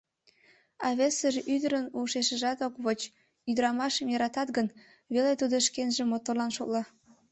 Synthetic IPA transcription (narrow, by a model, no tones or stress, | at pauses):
ɑβesəʒeʔyd̪əɾənuʃeʃəʒɑt̪okβot͡ɕ | yd̪əɾɑmɑʃəmjɑɾɑt̪ɑt̪ɡən | βelet̪ud̪oʃkenʒĕmot̪orlɑnʃoklɑ